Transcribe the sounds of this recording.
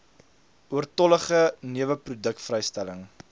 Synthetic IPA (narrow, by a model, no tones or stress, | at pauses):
uərtɔləχəniəvəprudək̚tfrɛjstæləŋ